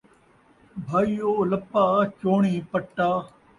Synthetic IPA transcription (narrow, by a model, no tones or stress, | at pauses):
bʱaːijoːlɐpːaːt͡ʃoːɳiːpɐʈːaː